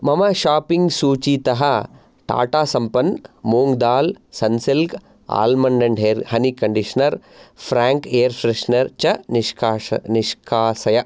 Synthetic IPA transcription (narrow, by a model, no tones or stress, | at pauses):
mɐmɐʃaːpiŋɡsuːt͡ʃit̪ɐɦɐ | ʈa̰ːʈaːsɐmpɐnmoːŋɡd̪aːlsɐnsilk | a̰ːlmɐɳɖɐɳɖɦeːɾhɐnikɐɳɖiʂɐnɐɾpʰɾaːŋkeːɐɾfɾeʂnɐɾt͡ʃɐniʂkːniʃkʰaːsɐjɐ